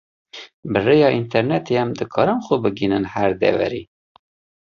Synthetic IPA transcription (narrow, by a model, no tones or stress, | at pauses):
bɨrejɑːint̪ʰɛɾnɛt̪ʰeɛmd̪ɨkʰɑːɾɨmxobɨɡinɨnhæɾd̪ɛ̰vɛ̰ɾiː